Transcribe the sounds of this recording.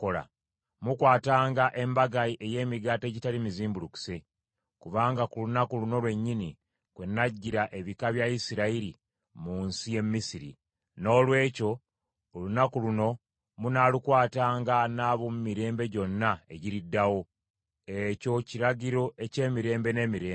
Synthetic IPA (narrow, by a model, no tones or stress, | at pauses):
kola̰ | mukwaːtaːŋɡaʔe̞mbaɡaiʔe̞je̞ːmiɡateɟitalimiziːmbuluku̥se̞ | kuβaːŋɡakulunakuluno̞lwe̞ɲːini | kwe̞nːaɟːiɾaʔe̞βikaβjaisiɾaiɾi | muːnsije̞mːisiɾḭ | no̞ːlwe̞ːco̞ː | lunakuluno̞ | munaːlukwaːtaːŋɡanaːβomumiɾe̞ːmbe̞ɟo̞nːae̞ɟiɾidːawo̞ | e̞co̞ciɾaɟiɾo̞ʔe̞ce̞ːmiɾe̞ːmbe̞ne̞ːmiɾeː